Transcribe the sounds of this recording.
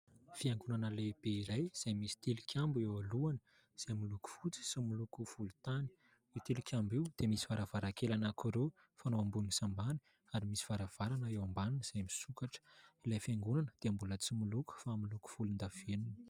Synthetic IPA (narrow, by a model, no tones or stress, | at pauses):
fiaŋɡunanəleb̥eiɾajz̥ajmisi̥t̪ilikʰʲambuewaluanə | z̥amiluku̥fut͡si̥similukuv̥ulut̪ani̥ | it̪ilikʰʲambiwd̪̥emisi̥v̥aɾavaɾakelanakʰuɾe | fanoambunisambani̥ | aɾimisi̥v̥aɾav̥aɾanəewambanunəz̥ajmisukaʈ͡ʂə̥ilajfaŋɡunanəd̪̥eambulət͡simuluku̥familuku̥v̥ulind̪av̥enuni̥